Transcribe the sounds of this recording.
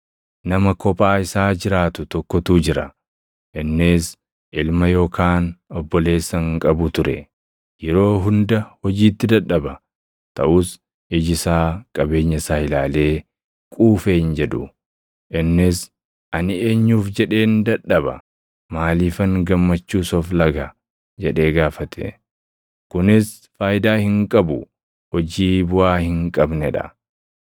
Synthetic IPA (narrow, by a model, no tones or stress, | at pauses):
nɐmɐkɔpʼaːɪsaːd͡ʒɪɾaːt̪ʊt̪ɔkːɔt̪uːd͡ʒɪɾɐ̰ | ʔɪnːɪs | ʔɪlmɐjo̞ːkʰaːnɔbːɔle̞ːsːɐŋkʼɐbʊt̪ʊɾɛ̰ | jɛɾo̞ːɦʊnd̪ɐhɔd͡ʒiːt̪ːɪd̪ɐᶑːɐbɐ | t̪ɐʔʊs | ɪd͡ʒɪsaːkʼɐbe̞ːɲːɐsaːhɪlaːle̞ː | kʼuːfeːhɪnd͡ʒɛd̪ʊ | ʔɪnːɪs | ʔɐnɪe̞ːɲːuːfd͡ʒɛᶑe̞ːnd̪ɐᶑːɐbɐ̰ | maːliːfɐŋɡɐmːɐt͡ʃːuːsɔflɐɡɐ | d͡ʒɛᶑe̞ːɡaːfɐt̪ʰɛ̰ | kʊnɪs | faːjd̪aːhɪŋkʼɐbʊ | hɔd͡ʒiːbʊʔaːhɪŋkʼɐbnɛᶑɐ̰